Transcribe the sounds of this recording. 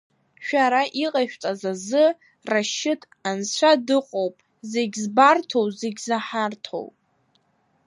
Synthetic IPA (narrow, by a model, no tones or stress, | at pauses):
ʃᶣaɾaʔiqʼaʃᶣt͡sʼazazɨ | raʃɪtʰʼ | ant͡ɕʷʰadɨqʼowpʼ | zeɡʲzbartʰo̞wzeɡʲzaħartʰo̰wpʼ